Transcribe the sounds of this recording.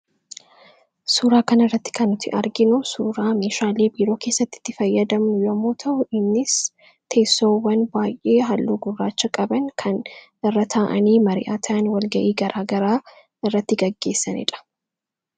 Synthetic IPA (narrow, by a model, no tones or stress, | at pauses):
suːɾaːkɐnɪrːɐt̪ːɪ̥kɐnʊt̪ɪ̰ʔɐɾɡɪnʊsuːɾaːme̞ːʃaːle̞ːbiːɾo̞ːke̞ːsːɐt̪ːɪ̥t̪ːɪfɐjːɐd̪ɐmnʊjɐmːoːt̪ʰɐʔʊʔɪnːɪs | t̪ʰe̞ːsːoːwːɐnbaːjʔe̞ːɦɐlːoːɡʊrːaːt͡ʃːɐkʼɐbɐŋkʰɐn | ɪrːɐt̪ʰaːʔɐniːmɐɾɪ̰ʔaːt̪ʰɐʔɐnwɐlɡɐʔiːɡɐɾʔaːɡɐɾaː | ɪrːɐt̪ːɪɡɐɡːe̞ːsːɐnɪ̰ᶑɐ̥